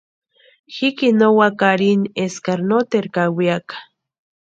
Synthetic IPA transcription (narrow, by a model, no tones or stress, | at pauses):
xikinowakaɾineskaɾnot̪eɾkawiakḁ